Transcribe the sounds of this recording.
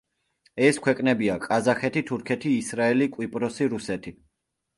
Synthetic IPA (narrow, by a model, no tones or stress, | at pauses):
ɛskʰwɛkʼnɛbiakʼazaχɛt̪ʰit̪ʰuɾkʰɛt̪ʰiːsɾaɛlikʼwipʼɾɔsiɾusɛt̪ʰi